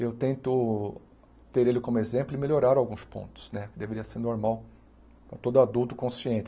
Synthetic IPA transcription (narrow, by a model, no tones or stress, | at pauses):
ewt̪ẽnt̪ʊ | t̪eɾelɪkõmʊezẽmplʊɪmelʲoɾaɾawɡũspõ̰nt̪ʊ̥snɛkɪd̪eveɾiɐseɾnoɾmaw | pɾɐt̪od̪ʊad̪uwt̪ʊkõsiẽt͡ʃ̪ɪ